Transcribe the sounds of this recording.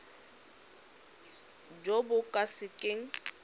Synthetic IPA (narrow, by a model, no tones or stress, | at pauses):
d͡ʒobʊkʼasɪkʼɪŋ̩